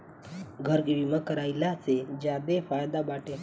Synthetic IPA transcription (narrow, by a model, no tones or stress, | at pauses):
ɡʱəɾkiʋiməkəɾailased͡ʑjad̪efajd̪abaʈe